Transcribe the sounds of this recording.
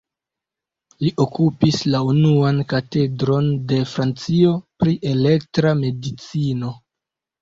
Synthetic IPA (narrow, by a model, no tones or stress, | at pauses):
liʔo̞kupislaunuankate̞dɾo̞nde̞fɾant͡sio̞pɾiʔe̞le̞k̚tɾame̞dit͡sino̞